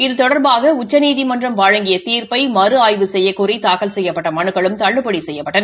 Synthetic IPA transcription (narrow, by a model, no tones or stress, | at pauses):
ɪðɯt̪ɔɽɐɾbaːɣɐʊt͡ʃːɐniːðimɐndrɐmʋaːɻɐŋɡɪjɐt̪iːɾpɐɪmɐrɯaːjʋɯsɛjːɐkːʊrit̪aːkɐlsɛjːɐpːɐʈːɐmɐɳɯkːɐɭɯmt̪ɐɭːɯpːɐɽisɛjːɐpːɐʈːɐnɐ